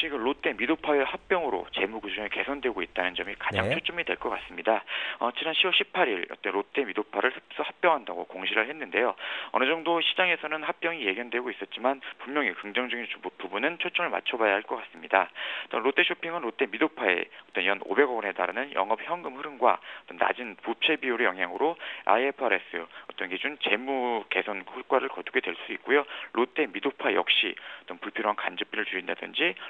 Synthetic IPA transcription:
t͡ɕʰiɡɯmɾotʰe̞midopʰaehak̚p͈jʌŋɯɾo̰t͡ɕe̞muɡud͡ʑɯɯɭke̞sʰʌndwe̞ɡoit̚t͈anɯnd͡ʑʌmikad͡ʑaŋt͡ɕʰot͡ɕ͈ʌmidwe̞ɭk͈ʌk͈as͈ɯmɲidaʌt͡ɕinanɕʰiwʌɭɕʰip̚ʰaɾiɾʌ̰t͈ʌnɾotʰe̞midopʰaɾɯɭsɯs͈ʌhak̚p͈jʌŋɦandaɡokoŋɕʰiɾɯɭhe̞nːɯnde̞joʌnɯd͡ʑʌŋdoɕʰid͡ʑaŋe̞sʰʌnɯnhak̚p͈jʌŋije̞ɡjʌndwe̞ɡois͈ʌt̚t͡ɕ͈imanpumɲʌŋikɯŋd͡ʑʌŋd͡ʑʌɡinpubunɯnt͡ɕʰot͡ɕ͈ʌmɯɭma̰t͡ɕʰʌbajaɦaɭk͈ʌk͈as͈ɯmɲidat͈ʌnɾot͈ʰe̞ɕʰopʰiŋɯnɾot͈ʰe̞midopʰae̞̰ʌt͈ʌnjʌno̰be̞ɡʌɡʌnɦe̞taɾɯnɯnjʌ̰ŋʌp̚çjʌŋɡɯmhɯɾɯmɡwa̰ʌt͈ʌnːa̰d͡ʑinput͡ɕʰebiuɾejʌŋɦjaŋɯɾoa̰iepʰɯaɾe̞s͈ʰɯʌt͈ʌnɡed͡ʑuŋt͡ɕe̞muke̞sʰʌnkʰoɭk͈waɾɯɭkʌduɡe̞dweɭs͈uik̚k͈ojoɾʔot͈ʰe̞midopʰaejʌ̰k̚ɕ͈ḭʌt͈ʌnpuɭpʰioɾoɦankand͡ʑɯp͈ʰiɾɯɭt͡ɕuɾinda̰dɯ̰nd͡ʑi

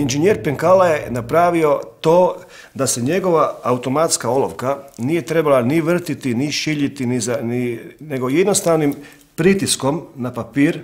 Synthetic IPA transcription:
ind͡ʒenjeɾpeŋkalaje̞napɾaːʋio̞t̪o̞ː | d̪aseɲe̞ɡoʋaːut̪o̞mat̪skaolo̰ʋkanije̞t̪ɾe̞balaniʋr̩t̪it̪iniʃiʎit̪inizanine̞ɡo̞jed̪no̞st̪aʋnim | pɾit̪isko̞mnapapiːɾ

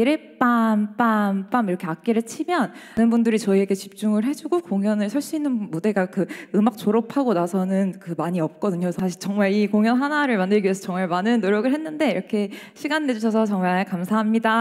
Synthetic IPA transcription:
iɾep͈ap͈amp͈amiɾʌkʰe̞ak̚k͈eɾɯɭt͡ɕʰimjʌnanɯnbundɯɾit͡ɕʌie̞ɡe̞t͡ɕip̚t͡ɕ͈uŋɯɭɦe̞d͡ʑuɡokoŋjʌnɯɭsʰʌɭɕ͈iːnːɯnmude̞ɡakɯɯmak̚t͡ɕ͈oɾʌpʰaɡonasʰʌnɯnkɯmaɲiʌp̚k͈ʌdɯɲosʰaɕʰiɭt͡ɕʌŋmaɭikoŋjʌnɦanaɾɯɭmandɯɭɡiesʰʌt͡ɕʌŋmaɭmanɯnːoɾjʌɡɯɭɦe̞nːɯnde̞iɾʌkʰe̞ɕʰiɡanːe̞d͡ʑuɕʰʌsʰʌt͡ɕʌŋmaɭkamsʰaɦamɲida

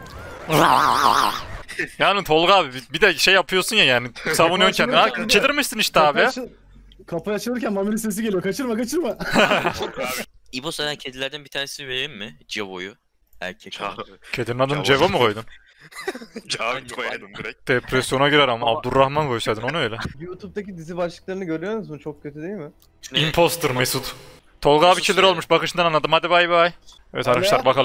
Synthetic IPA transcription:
a̰ | jaːnit̪ʰo̞lˠɡaːbibibid̪ɛʃejːapʰɯjosunjajaːnisavunjoncʰɛnd̪inat͡ʃʰelʲiɾmiʃsɯniʃt̪aːbija | kʰapajat͡ʃʰɯlɯɾcænmamiɾise̞s̬iɟelʲijokʰat͡ʃɯɾmakat͡ʃʰɯɾma | ibosaɾancʰed̪ilʲæɾd̪ænbit̪ʰaːɾnesiveɾimmɪd͡ʒevo̰ju | æ̰ɾcʰɛcʰed̪iɾnad̪ɯnd͡ʒevamɯkʰo̞jd̪un | d̪d̪̥epɾɛsjo̞naɟiɾæɾamaːb̚d̪ulɾɾaxmankʰo̞jsajd̪ɯnouø̞jlʲɛjut̪ʰup̚t̪acid̪izibat͡ʃlˠɯk̚lˠaɾɯnɯɟøɾʲyjonuzmɯt͡ʃʰok̚cʰːøt̪ʰyd̪e̞jilʲmɪ | impʰost̪ɯɾmesut̪ | t̪ʰo̞lˠɡaːbit͡ʃʰilʲiɾo̞lˠmuʃbakɯʃɯnd̪ananːˠad̪ɯmhad̪ibajbiaj | ɛvɛt̪ʰaɾkɯʃlˠabakʰalˠ

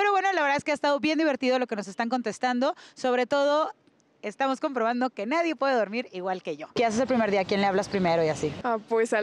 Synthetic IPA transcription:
pe̞ɾoβwe̞no̞laβeɾðaeskeast̪aðo̞βje̞nd̪iβe̞ɾt̪iðo̞lo̞ke̞no̞s̬e̞st̪aŋk̬o̞nt̪est̪and̪o̞so̞βɾe̞t̪o̞ð̞o̞ | e̞st̪amo̞sko̞mpɾo̞β̞and̪o̞ke̞naðje̞pwe̞ðeðo̞ɾmiɾiɣwalke̞ʝo̞keas̬es̬elpɾimeɾðiakje̞nleaβlaspɾime̞ɾoiasiapwesa

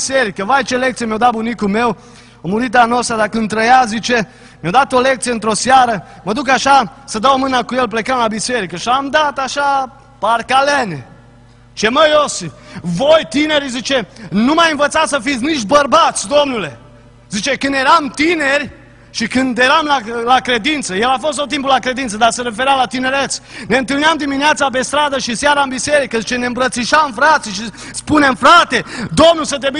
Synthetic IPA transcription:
se̞ɾikəvajt͡ʃelekt̪sijemjawd̪at̪̚bunikume̞w | omuɾit̪anost̪ɾad̪akɨnd̪ɾəjazit͡ʃe̞ | mjawd̪at̪ole̞k̚t̪sijeɨnt̪ɾo̞saɾə | məd̪uk̬aʃasəd̪awmɨnakuje̞lple̞kəmlabise̞ɾikəʃiamd̪at̪aʃa | parkalene | t͡ʃeməjosvojt̪ine̞ɾizit͡ʃe̞numajɨnvət̪sat̪səfit̪sʲnit͡ʃt̪bərbat̪sʲd̪o̞mnule̞ | zit͡ʃe̞kɨnd̪je̞ɾamt̪ineɾʲ | ʃikɨnd̪jeɾamlalakɾe̞d̪int̪səje̞lafo̞s̬t̪ot̪̬ːimpulakɾe̞d̪int̪səd̪arse̞ɾe̞feɾjamlat̪ine̞ɾe̞t̪sne̞ɨnt̪ɨlniamd̪imineat̪sap̬e̞st̪ɾad̪əʃisjaɾaɨnbise̞ɾikəzit͡ʃeneɨmbɾət̪siʃamfɾat̪siʃispune̞mfɾat̪e̞d̪o̞mnulsət̪eb

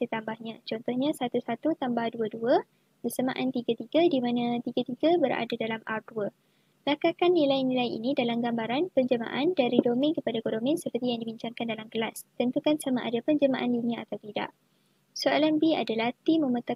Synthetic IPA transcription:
sət̪ambahɲãt͡ʃɔnt̪ɔhɲãsat̪usat̪ut̪ambahduəduə | bəsəmã̰ʔant̪iɡat̪iɡadimãnãt̪iɡat̪iɡabəɾa̰dadalamʔa̰rduə | lakakanːilajnĩlajḭnĩdalamɡambaɾanpəɲd͡ʒəma̰ʔandaɾidomɛ̃ŋkəpadaɡodomɛ̃nsəpərt̪ijaŋdibiɲt͡ʃaŋkandalamkəlast̪ənt̪ukansamaʔa̰dapəɲd͡ʒəmaʔandunĩaat̪awt̪ida̰ʔ | soalanbia̰dalaht̪imə̃mət̪a

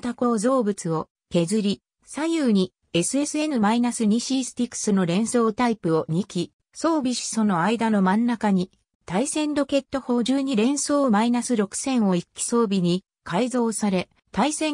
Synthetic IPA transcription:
t̪ako̞ːzo̞ːbɯ̟t͡sɨo̞ | ke̞zɨɾʲi | sajɯːɲ̟i | e̞sɨe̞sɨe̞nɯmainasɨɲ̟iɕiːsɨ̥t̪ʲikːɯ̥sɨno̞ɾẽ̞ɰ̃so̞ːt̪aipɯ̟o̞ɲ̟ikʲi | so̞ːbʲiɕi̥so̞no̞aid̪ano̞mãnːakaɲ̟i | t̪aisẽ̞nd̪o̞ke̞t̪ːo̞ho̞ːʑɨːɲ̟iɾẽ̞ɰ̃so̞ːmainasɨɾo̞kɯ̟̥sẽ̞ɰ̃o̞ikʲːi̥so̞ːbʲiɲ̟i | kʰaizo̞ːsaɾe̞ | t̪aisẽ̞

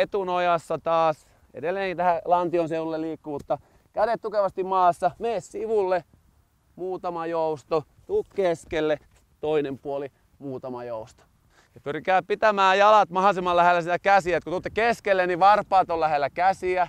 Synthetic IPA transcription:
et̪unojɑsːɑt̪ɑːs | ḛdelːeːŋkit̪æhælɑnt̪ionseʋulːeliːkːumut̪ːɑ | kæɾet̪t̪ukeʋɑst̪immɑːsːɑmeːssiʋulːe | muːt̪ɑmɑjoust̪o | t̪ukkeskelːe | t̪oinempuoli | muːt̪ɑmɑjoust̪o̥ | jɑpyrkæːpit̪æmæːjɑlɑt̪mɑhɑsimɑllæhelːæsit̪ækæsiæet̪kot̪ut̪ːekeskelːeniʋɑrpˑɑːt̪ollæhelːækæsiæ

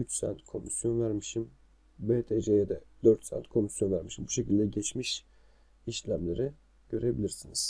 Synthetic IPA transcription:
yt͡ʃsæ̰nt̪kʰo̞misjo̞nvæɾmiʃim | beːt̪ʰeʒejɛd̪ɛd̪øɾt̪sæ̰nt̪kʰo̞misjo̞nvæɾmiʃimbuʃe̞cʰilʲd̪ɛɟɛt͡ʃmiʃ | iʃlʲæmlʲe̞ɾi | ɟ̥ø̞ɾe̞bilʲiɾsiniz̥

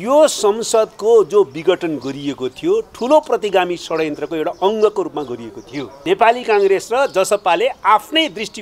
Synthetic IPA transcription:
josʌmsʌd̪kod͡zobiɡʌʈʌnɡʌɾiekot̪ʰijoʈʰuloprʌt̪iɡamisʌɽʌjʌ̃nt̪rʌkoewʈaʌŋɡʌkoɾupmaɡʌɾiekot̪ʰijonepalikaŋɡɾesrʌd͡zʌsʌpaleapʰnʌjd̪risʈi

